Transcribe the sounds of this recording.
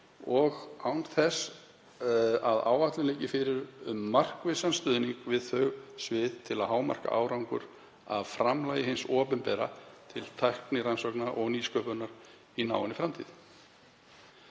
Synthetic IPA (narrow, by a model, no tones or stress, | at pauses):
ɔɣawnθɛs | aða̰ːwaht̪lɪnɛːjcɪfɪɾɪɾʏmːar̥kvɪsanst̪ʏːðniŋkvɪðθœɣsvɪðt̪ʰɪlaðɦaːwma̰r̥ka̰ʔa̰ːwɾawŋkʏ̰ɾ | aðfɾamlaːjðɪɦɪnsɔːpʏnpɛɾat̪ʰɪlt̪ʰajhknɪɾansɔknaʔɔɣniːskœpœnːaɾ̥ | ina̰ːwɪnɪfɾamt̪ʰḭð